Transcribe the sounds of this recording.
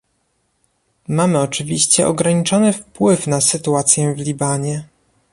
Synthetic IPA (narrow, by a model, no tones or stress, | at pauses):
mamɘɔt͡ʂɘvʲiɕt͡ɕɛ̰ʔɔ̰ɡɾaɲit͡ʂɔnɘfpwɘfnasɘt̪uat̪sʲjɛvlʲibaɲɛ